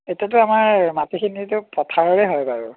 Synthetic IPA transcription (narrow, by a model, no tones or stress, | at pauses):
etiatʊamaɹmatixʰinitʊpɹɔtʰaɹɔɹɛɦɔjbaɹu